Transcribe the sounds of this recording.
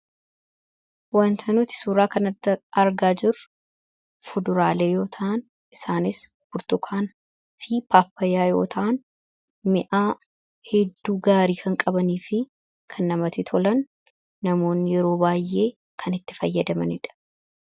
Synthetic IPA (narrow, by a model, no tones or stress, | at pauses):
wɐnt̪ʰɐnʊt̪ɪ̥suːɾaːkɐnɐɐɾɡaːd͡ʒɪrʊ | fʊd̪ʊɾaːleːjo̞ːt̪ʰɐʔɐn | ʔɪsaːnɪs | b̥ʊɾt̪ʊkʰaːn | fiːpʰaːpːɐjaːjo̞̰ːt̪ʰɐʔɐn | mɪʔaː | hɛd̪ːuːɡaːɾiːkʰɐŋkʼɐbɐniːfɪ | kʰɐnːɐmɐt̪ɪt̪ʰɔlɐnː | ɐmo̞ːnːɪjɛɾo̞ːbaːjʔe̞ː | kʰɐnɪt̪ːɪfɐjːɐd̪ɐmɐnɪᶑɐ̥